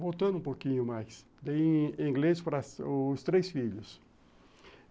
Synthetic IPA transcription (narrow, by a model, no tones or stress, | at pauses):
vowt̪ɐ̃nũpokĩɲʊmajs | d̪ẽĩŋɡlespɾɐsst̪ɾesfiʎʊs